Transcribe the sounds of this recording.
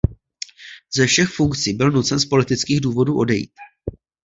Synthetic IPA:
zɛfʃɛxfuŋkt͡sibɪlnut͡sɛnspo̞lɪt̪ɪt͡skiːɣduːvo̞duːʔo̞dɛjḭːt̪̚

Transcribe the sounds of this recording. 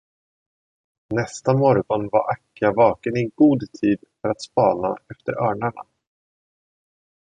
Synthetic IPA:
nɛst̪amɔɾɡɔnva̰ɾʔakːavɑːkənɪɡuːd̪t̪ʰiːd̪fœɾat̪spɑːna̰ɛft̪əɾœːɳaɳa̰

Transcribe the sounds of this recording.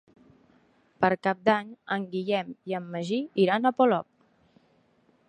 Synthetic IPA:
pəɾkap̚d̪aɲəŋɡiʎɛmiəmːəʒiiɾanəpolɔp̚

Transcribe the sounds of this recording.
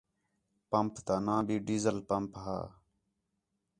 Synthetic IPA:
pəmpt̪aːnãːbiːɖiːzəlpəmpɦa̰ː

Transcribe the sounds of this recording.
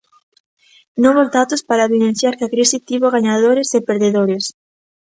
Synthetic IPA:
nõβozd̪at̪ospaɾaβinen̟θjaɾkakɾesit̪iβoɣaɲaðoɾesepeɾðeðoɾes

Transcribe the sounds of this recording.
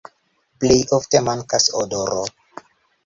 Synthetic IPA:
plejʔoftemaŋkasodoɾo

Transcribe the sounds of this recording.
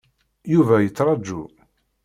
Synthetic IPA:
juvæjət͡sːɾˤɑd͡ʒːṵ

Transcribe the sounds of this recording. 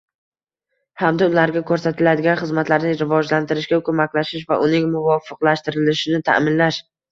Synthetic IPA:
hamd̪aʊlaɾɡʲakʰɵɾsat̪ʰɪlad̪ɪɡʲanχɨzmat̪laɾnɪɾɪvɒd͡ʒlant̪ʰɪɾɪʃɡʲakʰɵmakʲlaʃɪʃvaʔʊnɪŋmʊvɒfɨqlˠaʃt̪ɪɾɪlɪʃɪnɪt̪ʰa̰ʔmɪnlaʃ

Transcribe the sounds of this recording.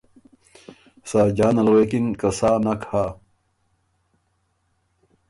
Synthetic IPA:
saːd͡ʑaːnɐlweːkiŋkɐsaːnɐkaː

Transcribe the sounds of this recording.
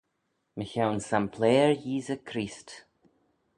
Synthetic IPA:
məçawnsampʰleːəɹjiːzəkʰɾiːst

